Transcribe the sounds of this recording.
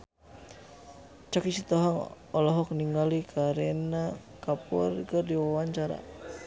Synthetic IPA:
t͡ʃakisit̪ɔɦaŋ | ɔlɔɦɔk̚niŋɡalikʰaɾɛnakapɔ̰rkɨrdiwawaɲt͡ʃaɾa̰

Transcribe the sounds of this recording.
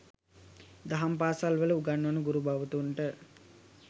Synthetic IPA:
d̪aɦampaːsalʋələuɡanːuʋənəɡuɾubaʋət̪uɳʈə

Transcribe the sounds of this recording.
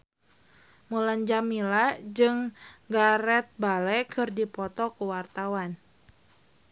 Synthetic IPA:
muland͡ʒamilad͡ʒɨŋɡaɾɛt̪̚balɛkɨrdipɔt̪ɔkəwart̪awan

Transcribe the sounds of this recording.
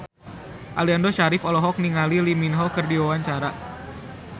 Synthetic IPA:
ʔaliandɔʃaɾɪfɔlɔɦɔk̚niŋaliliminɦɔkərdiwawaɲt͡ʃaɾa

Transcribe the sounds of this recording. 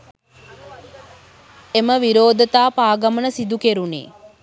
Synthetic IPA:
eməʋiɾoːd̪ət̪aːpaːɡɐmənəsid̪ukeɾunḛː

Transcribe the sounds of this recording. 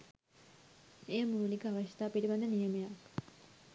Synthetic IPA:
ejəmuːlikəaʋɐɕjɐ̥t̪aːpiɾiband̪ɐnijɐmɐjak

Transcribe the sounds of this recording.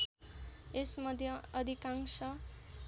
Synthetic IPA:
esmʌd̪ʱjʌʌd̪ʱikaŋsʌ

